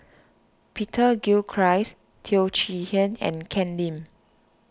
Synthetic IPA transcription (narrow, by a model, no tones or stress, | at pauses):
pʰitʰəɡilkʰɹajs | tʰilt͡ʃihə̃nɛ̰̃nkʰɛ̃ndĩm